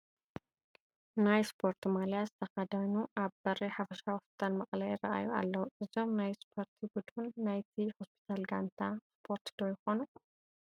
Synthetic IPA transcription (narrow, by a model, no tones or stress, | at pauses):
najspʰo̞ɾt̪ʰimaljazɨt̪ʰɐxɐd̪anuʔaβbɐɾiħafɐʃahospʰi̥t̪ʰalmɐχʼlɐjɪrɐ̰ʔa̰jua̰lːɐwuʔɨzo̞mnajspʰoɾt̪ʰibud̪unːajt̪ʰihospʰi̥t̪ʰalɡant̪ʰaspʰo̞ɾt̪d̪ojɪxo̞nu